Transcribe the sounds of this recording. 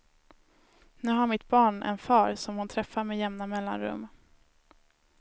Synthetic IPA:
nʉ̟ːɦaɾmɪt̪bɑːɳɛ̰nfɑːɾsɔmhʊnt̪ʰɾɛfːaɾmɛjɛmnamɛlːa̰nɾɵ̰mː

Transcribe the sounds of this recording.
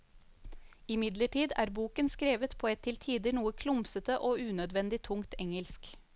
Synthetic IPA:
ɪmɪd̪ləʈiːd̪æ̰ːɾbuːkənskɾeːʋət̪pʰoːɛt̪ʰːɪlt̪ʰiːd̪ɪnuːəkʰlʊmsət̪əʔoːʉːnœd̪ʋɛnd̪ɪt̪ʰʊŋt̪ʰɛŋəlsk

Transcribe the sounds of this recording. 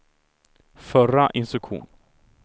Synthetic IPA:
fœɾaʔɪnst̪ɾɵkɧṵːn

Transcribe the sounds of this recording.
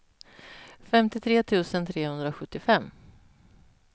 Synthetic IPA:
fɛmt̪ɪt̪ʰɾeːt̪ʰʉ̟ːsənt̪ʰɾeːhɵnd̪ɾaɔɧɵt̪ːɪfɛmː

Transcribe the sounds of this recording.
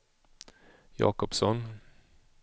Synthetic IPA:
jɑ̰ːkɔpsɔn

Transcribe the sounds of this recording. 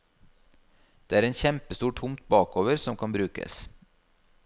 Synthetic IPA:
d̪̥eːæːɾeːnçɛmpəst̪uːʈʰʊmt̪̚bɑːkoːʋəɾsɔmkʰɑnbɾʉːkə̰s

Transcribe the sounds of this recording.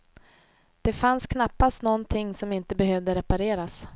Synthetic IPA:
d̪̥ɛfanskʰnapːast̪nɔnt̪ʰɪŋːsɔmɪnt̪əbɛɦœvd̪əɾɛpaɾeːɾas

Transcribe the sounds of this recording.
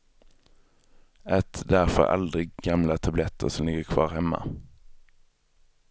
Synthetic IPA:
ʔɛt̪d̪æʁfɔ̰ɾɑ̰ld̪ʁɪɡɡɑmlat̪ʰɑblɛt̪ʰə̰ʁsɔmlɪɡəkʰʋɑ̰ːʁhɛma̰

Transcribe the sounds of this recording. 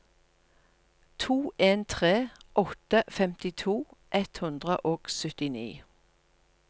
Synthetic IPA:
t̪ʰuːʔeːnt̪ʰʁeːʔɔt̪əfɛmt̪ɪt̪ʰuːʔɛt̪hʉnd̪ʁəʔoːɡ̥sʏt̪ɪnḭː

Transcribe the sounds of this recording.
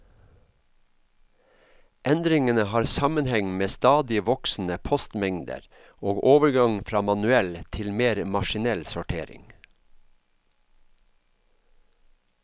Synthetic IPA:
ʔɛnd̪ɾɪŋənəhɑːɾsɑmənhɛŋmeːst̪ɑːd̪ɪəʋɔksn̩əpʰɔst̪mɛŋd̪ə̰ɾ | oːɡoːʋəɾɡɑŋfɾɑːmɑnʉɛlt̪ʰɪlmeːɾmɑʃɪnɛlsʊʈʰḛːɾɪ̰ŋ

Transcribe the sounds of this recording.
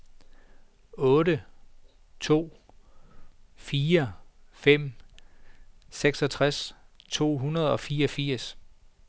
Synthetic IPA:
ɔ̽ːɾə | t͡sʰo̝̰ː | fiːɐfem̰ | seɡ̥sɒ̽t͡sʰʁast͡sʰo̝̰ːɦunɐð̞̩ˠɒ̽fiːɐɒ̽fiɐ̰s

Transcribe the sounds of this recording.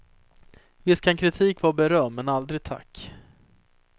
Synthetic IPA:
vɪskʰankʰɾɪt̪ʰiːkvaɾbɛɾœmːɛnald̪ɾɪt̪ʰa̰kː

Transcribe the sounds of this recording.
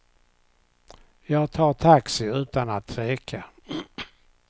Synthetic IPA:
jɑːɡt̪ʰɑːt̪ʰaksɪʉ̟ːt̪anat̪ɾeːkʰa

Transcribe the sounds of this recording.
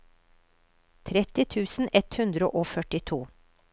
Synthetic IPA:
t̪ʰɾɛt̪ɪt̪ʰʉːsn̩ʔɛt̪hʉnd̪ɾəʔoːfœʈɪt̪ʰuː

